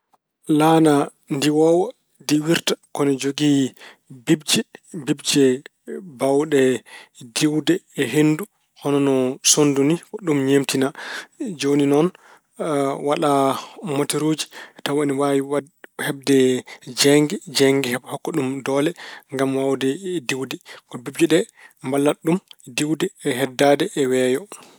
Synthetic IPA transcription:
lana | ndiwɔwa | diwiɾtḁkɔnɔd͡ʒoɡi | bib̚d͡ʒɛbibd͡ʒɛ | bawɗɛdiwdɛːɦendu | hɔnɔnɔsondunikɔɗumɲemtinad͡ʒoninɔn | waɗamoteɾod͡ʒi̥tawaniwawiw | hɛb̚dɛd͡ʒɛŋɡɛd͡ʒɛŋɡɛhɛbhɔkːɔɗumdɔːlɛŋɡamwawdɛdiwdɛkɔbib̚d͡ʒɛɗɛ | mbalːaɗumdiwdɛːɦɛdːadɛʔːwɛjɔ

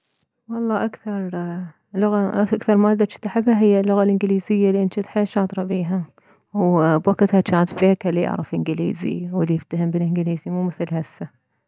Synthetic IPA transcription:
wɑlˤːɑːʔakθɑɾˤ | lʊɣaʔaakθɑɾˤmaːd̪ːat͡ʃɪ̥t̪ːaħɪbhaɦɪjːalːʊɣalʔɪnɡɪliːzɪjːalːiʔɪnt̪it̪ħeːʃɑːd̪ˤɾˤɑbiːɦa | wbwakt̪hat͡ʃaːt̪feːkalːija̰ʕɾˤɪ̰fʔɪnɡɪlḭːzḭwɪlːijɪft̪ahɪmbɪlʔɪnɡɪliːzimuːmɪθlhasːa

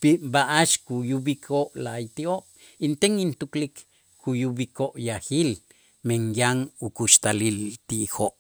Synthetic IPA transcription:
pibaʔaʃkujubikʰoʔlajt̪ioʔ | int̪eŋint̪uklik | kujubikoʔjaxil | meŋjaŋukuʃt̪alilt̪iʔxoʔ

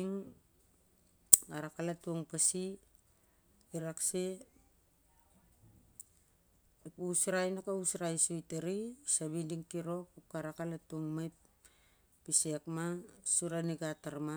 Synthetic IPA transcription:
ŋ | aɾakalatuoŋpasi | iɾakse | puusɾajnakausɾajsujteɾisaβindiŋkiɾo̞k̚up̚aɾakalatuoŋmajpː | isekmasuɾaniɡataɾma

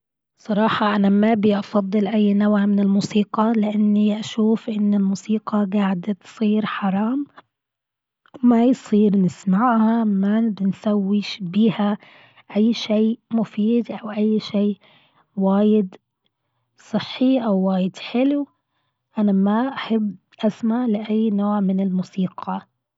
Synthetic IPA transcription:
sˤɑɾˤɑːħɑʔanamabiʔɑfɑd̪ˤːɨlʔajːnawʕmɪnɪlmuːsiːqɑlɪʔanːiʔaʃuːfʔɪnːɪlmuːsiːqɑɡaːʕɪd̪at̪sˤiːɾħɑɾˤɑːm | majsˤiːɾnɪsmaʕhamabɪnsawːɪʃbiːha | ʔajːʃeːmʊfiːd̪ʔawʔajːʃeː | waːjɪd̪ | sˤɨħːiʔawːaːjɪd̪ħɪlw | ʔanamaʔaħabː | ʔasmaʕlɪʔajːnoːʕmɪnɪlmusiːqʰɑ

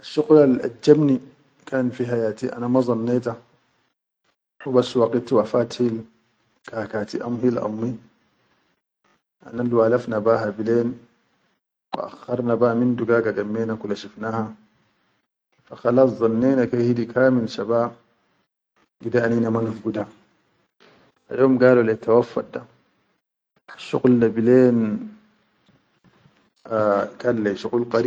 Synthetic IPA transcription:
ʔaʃːuqlalʔa̰d͡ʒːabni | kaːnfiɦajaːt̪iʔa̰namazˤɑnːeːt̪a | wbasːwaqit̪wafaːt̪hil | kakaːt̪iʔa̰mhilʔa̰mːi | ʔa̰nalwaːlafnabahabileːn | wa̰ʔa̰xːɑɾˤnabamind̪uɡaːɡaɡamːeːnakulaʃifnaːha | faxɑlɑsˤzˤɑnːeːnakahid̪ikʰaːmilʃabaː | ɡid̪aʔaninamanafɡud̪a | a̰joːmɡaːlulet̪ʰːawafːa̰t̚d̪a | ʃṵɣlːabileːn | kalːeʃuɣulqɑɾ

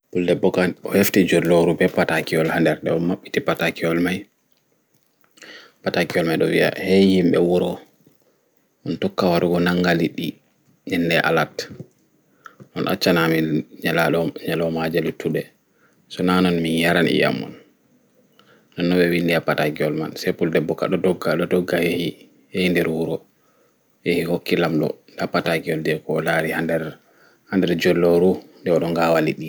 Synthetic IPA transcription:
buldɛbɔkanɔheftid͡ʒoɾloɾubɛpatakiɔlhandɛɾɗɛɔmaɓːitipatakiɔlmaj | patakiɔlmajɗɔ̰wḭa̰hɛjimɓɛwɔɾɔ | ʔɔntɔkːawaɾuɡɔnaŋɡaliɗi | nɛnːdɛʔa̰lat | ʔɔnʔa̰t͡ʃːanamiɲalaɔɲalɔmad͡ʒalutʰuɗɛ | sɔnanɔnminjaɾanḭja̰mːɔ̰n | nɔnːɔɓɛwindiapːataɡiɔlma̰nsɛpuldɛbːɔkːa̰ɗɔdɔɡaɗɔdɔɡːahehi | hehindɛɾwuɾɔ | jehihokːilamɗɔ̰ | apːataɡiɔldɛkɔlaɾihandɛɾ | handɛɾd͡ʒɔlːɔɾundɛɔɗɔŋɡawalḭɗi

